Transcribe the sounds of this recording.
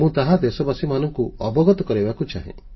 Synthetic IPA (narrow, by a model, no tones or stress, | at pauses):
mũt̪aɦad̪esɔbasimanɔŋkuɔbɔɡɔt̪ɔkɔɾibakut͡ʃaɦḛ̃